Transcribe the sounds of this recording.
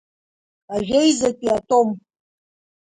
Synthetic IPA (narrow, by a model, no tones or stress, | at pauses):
aʒʷᶣejzɐtʼiatʼom